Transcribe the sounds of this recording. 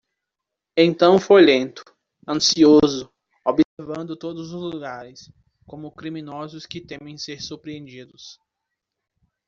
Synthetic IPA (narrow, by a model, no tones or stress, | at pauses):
ẽnt̪ɐ̃w̃fojlẽnt̪ʊ̥ | ɐ̃siozʊ | obiseɾvɐ̃nd̪ʊt̪od̪ʊzʊzluɡaɾɪs | kõmʊkɾimĩnɔzʊskɪt̪ẽmẽj̃seɾsuɾpɾiẽnd͡ʒid̪ʊs